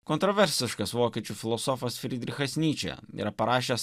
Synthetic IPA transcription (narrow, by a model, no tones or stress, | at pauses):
kɔnt̪ɾɔʋʲɛɾʲsʲɪʃkɐsʋoːkʲiɛt͡ʃʲufʲɪlˠɔsɔfɐsfʲɾʲɪd̪ʲɾʲɪxɐsʲnʲiːt͡ʃʲɛ̰ḭːɾɐpɐɾɑːʃʲeːs